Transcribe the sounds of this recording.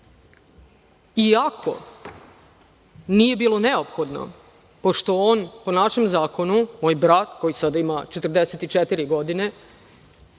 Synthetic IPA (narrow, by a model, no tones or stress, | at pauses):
iakʰo̞̰ | nije̞biːlo̞ne̞opxod̪no̰ | po̞ʃt̪o̞oːnpo̞naʃe̞mzaːko̞numoːjbɾat̪ko̞jisad̪aimat͡ʃet̪rd̪eset̪it͡ʃet̪iɾiɡo̞d̪ine̞